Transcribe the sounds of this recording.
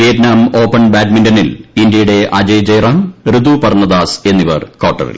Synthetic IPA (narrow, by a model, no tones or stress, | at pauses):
ijɐtnaːmo̞ːpːɐnbaːʈmindɐnilind̪jɐjuɽe̞ʔɐd͡ʑɐjd͡ʑɐjɾaːnrɨd̪upɐrnɐd̪aːse̞nːiʋɐ̰rkoːʈːɐ̰rḭl